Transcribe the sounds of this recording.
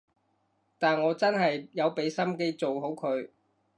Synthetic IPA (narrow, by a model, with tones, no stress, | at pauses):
t̪aː˨nŋɔː˨˧t͡sɐ˥nɦɐ˨jjɐ˨˧wpe˨˧˥jsɐ˥mke˧jt͡so˨wɦo˨˥wkʰɵ˨˧ɥ